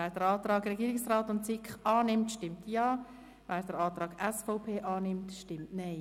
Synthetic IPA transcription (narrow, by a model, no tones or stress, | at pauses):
vɛːɾd̥əɾɑːtɾɑːɡrɛɡiːɾɪksraːtʊntt͡sɪkχɑːnɪmtʃtɪmtjɑː | vɛːɾd̥əɾɑːt̪ɾɑːɡ̥ɛsfɔʊpʰeːʔɑːnɪmtʃtɪmtnɛɪ